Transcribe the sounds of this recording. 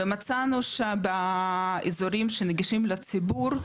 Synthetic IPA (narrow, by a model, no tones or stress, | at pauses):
emat͡sanuʃabaezoɾimʃeneɡiʃimlet͡sibuɾ